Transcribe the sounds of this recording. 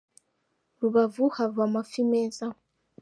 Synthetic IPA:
luβavuhavamafimɛːza

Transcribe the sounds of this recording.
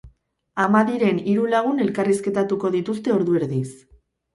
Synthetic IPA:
amaðiɾe̞niɾulaɣ̞une̞lkariske̞t̪at̪uko̞ðit̪ust̪e̞o̞ɾðue̞ɾðis

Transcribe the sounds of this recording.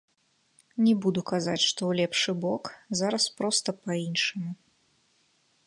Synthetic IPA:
nʲɛbud̪ukazat͡sʲʂt̪ɔwlʲɛpʂɨbɔkzaɾɐspɾɔst̪ɐpainʂɨmu

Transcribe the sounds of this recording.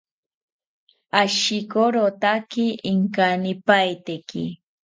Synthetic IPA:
aʃɪkoɾot̪akɪʔɪŋkanɪpajt̪ekɪ̰

